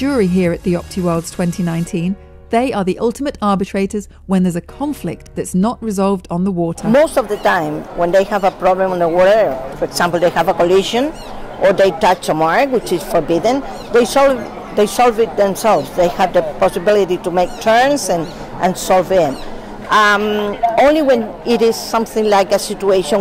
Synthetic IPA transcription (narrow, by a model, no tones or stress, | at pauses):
ʊɹiɦiəɹɨt̪ʔ̪̚ðiɒp̚tʰiwɜ˞lˠdz̥tʰw̥ɛ̃ntʰinãɪ̃ntʰĩn | ðeɪʔə˞ðiʔʌlˠtəməɾɑɹbɨtʰɹ̥eɪɾə˞z | wə̃nðəzɨkʰɑ̃ɱflɪk̚t̪ðɨtsnəʔɹɪzɑlˠvdn̩ðəwɔˑɾʰə˞moʊstɔvðətãɪ̃mwɛ̃nd̪ejhavəpɾɔblə̃mɔ̃nd̪əwɔɾəfɔɹɛksãmpl̩d̪eɪhavəkoliʃɔ̃n | ɔɹðejtat͡ʃəmaɹkwɪt͡ʃɪsfɔɹbɪd̪ə̃n | d̪ejsɔl | ðejsɔlˠvɪt̪̚ðɛ̃msɛlvsðejhavðəpɔsɪbɪlititumeɪk̚tʰɜ˞nsãn | ʔãnsɔlvɪ̃m | ʔamõnliwɛ̃n | ɪɾɪsːʌ̃mθɪ̃ŋlaɪjkasitueɪʃɔ̃